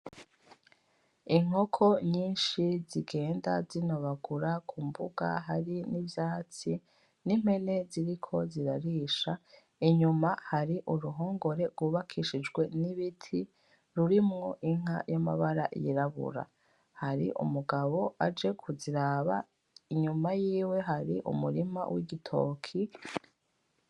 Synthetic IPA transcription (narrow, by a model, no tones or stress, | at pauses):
iŋ̥o̞kʰo̞ɲiːnʃiziɡe̞ːnda̰zinoβaɡuɾakʰumbuɡa̰ɦaɾinivjaːt͡si | nim̥he̞ne̞ziɾikʰo̞ziɾaɾiːʃa | iɲumahaɾiʔuɾuɦo̞ːŋɡo̞ɾe̞ɾɡwuːβakʰiʃid͡ʒɡwe̞niβitʰi | ɾuɾimŋo̞ʔiŋ̥a̰jama̰βaɾaʔjiɾaβṵɾa̰ | haɾḭʔṵmuɡaβo̞ad͡ʒe̞kʰuziɾaβa | iɲumajiːwe̞ɦaɾiʔṵmuɾima̰wḭɡitʰo̞̰ːkʰi